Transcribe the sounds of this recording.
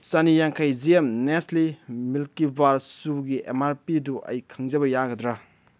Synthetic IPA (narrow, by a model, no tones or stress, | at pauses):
t͡ʃanijaŋkʰajziemneslimilkibaɾsuɡiʔḛmaɾpiduʔɐ̰jkʰaŋd͡ʒɐbɐjaɡɐdɾa